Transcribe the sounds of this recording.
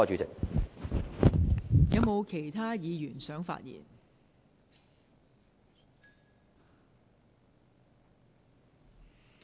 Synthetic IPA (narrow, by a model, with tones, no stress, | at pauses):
ɔ˧t͡ʃyː˨˥t͡sɪ̰˨k̚ | jɐ˨˧wmo˨˧wkʰe˨˩jt̪ʰaː˥jiː˨˧jyː˨˩nsœː˨˥ŋfa̰ː˧˨t̚jḭː˨˩n